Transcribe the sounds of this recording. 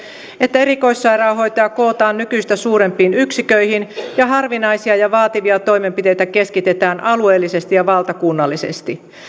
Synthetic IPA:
e̞t̪ːæe̞ɾiko̞isːɑjɾɑːɦo̞jt̪ɑːko̞ːt̪ɑːnːykyist̪æsuːɾe̞mpiːnyksikøihinjɑɦɑrʋinɑjsiɑjɑʋɑːt̪iʋiɑt̪o̞jme̞mpit̪e̞jt̪æke̞skit̪e̞t̪æːnʔɑlue̞ːlːise̞st̪ijɑʋɑlt̪ɑkunːɑlːise̞̰st̪i

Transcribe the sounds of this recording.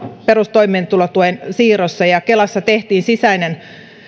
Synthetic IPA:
peɾust̪oimeːnt̪ulot̪uensiːrosːɑjɑkelɑsːɑt̪eht̪iːnsisæinen

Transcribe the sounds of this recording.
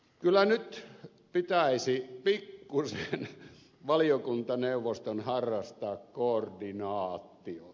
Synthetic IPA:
kylːˑænyt̪ | pit̪æˑisipikːusen | ʋɑlijokunt̪ɑneuʋːˑost̪onhɑrːɑst̪ɑːkkoordinɑːt̪ːiot̪

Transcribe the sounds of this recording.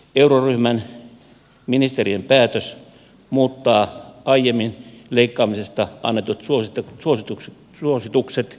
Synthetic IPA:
euroryhmæn | minist̪eriempæːt̪øs | muːt̪ːɑːɑijemːinleikːɑːmisest̪ɑʔɑ̰nːet̪ot̪suost̪suosit̪u | suosit̪ukset̪

